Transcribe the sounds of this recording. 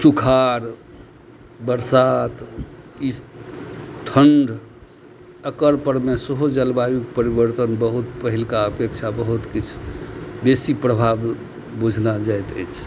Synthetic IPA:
sukʰaɾ | bəɾsat̪is | t̪ʰəɳɖʱ | əkəɾpəɾmesəɦod͡ʒəlbajukpəɾibəɾt̪ənbəɦut̪pəɦilkaəpekt͡ʃʰabəɦut̪kit͡ʃʰbesipɾəbʱab | bud͡ʒʱnad͡ʒaet̪ə̰jt͡ʃʰ

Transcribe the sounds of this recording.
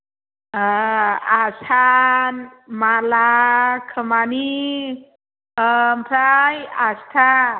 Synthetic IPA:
əasanmalakʰəmani | əmpʰɾajast̪ʰa

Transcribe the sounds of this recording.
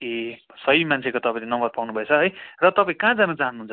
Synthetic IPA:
e | sʌimant͡sʰekot̪ʌpaĩlenʌmbʌrpawnubʱʌet͡sʰʌɦʌjrʌt̪ʌpãĩkãd͡zanʌt͡saɦʌnuɦunt͡sʰʌ

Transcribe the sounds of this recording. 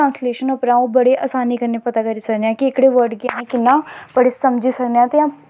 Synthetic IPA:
ãːnsleːʃənəpnãːõbəɽeːʔaːsaːniːkəɾneːpət̪aːkəɾiːsəkneãːkɪɪkɽeːʋəɾɖɡɪjãːẽkɪnːãːpəɽeːsəmd͡ʒiːsəkneãːt̪eãː

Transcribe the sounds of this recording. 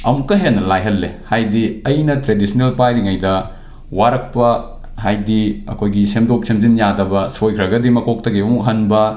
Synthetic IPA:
ɐmukːɐɦenːɐlajɦɐlːḛhajdiɐjnɐtɾedisʰnelpajɾiŋɐjdɐ | waɾɐk̚pɐ | hajdiɐ̰kʰojɡisemdop̚semzinjadɐbɐsojkʰɾɐɡɐdimɐkok̚tɐɡiɐmuk̚ɦɐnbɐ

